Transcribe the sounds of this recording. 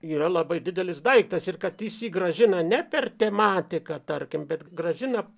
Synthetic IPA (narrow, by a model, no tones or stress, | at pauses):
iːɾɐlˠɐbɐɪdʲɪd̪ʲɛlʲɪsd̪ɐɪkt̪ɐsɪrkɐt̪jɪsiːɡɾɐʒʲɪnɐnʲɛpʲɛrt̪ʲɛmɑːt̪ʲɪkɐt̪ɐrʲkʲɪmbʲɛt̪ɡɾɐʒʲɪnɐ